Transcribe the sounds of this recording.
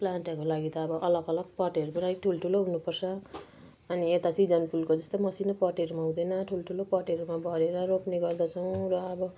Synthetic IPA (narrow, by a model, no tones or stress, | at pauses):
planʈʌkolaɡit̪ʌːbʌʔʌlʌɡʌlʌɡ̚pʌʈeɾubʌnaɾiʈʰulʈʰuloɦunupʌrsʰʌ | ʌniet̪asid͡zʌnpulkod͡zʌst̪omʌsinʌpʌʈeɾumaw̃d̪ʌnʌʈʰuloʈʰulopʌʈeɾumabʱʌɾeɾʌɾopneɡʌrd̪at͡sʰʌw̃ɾʌːbʌ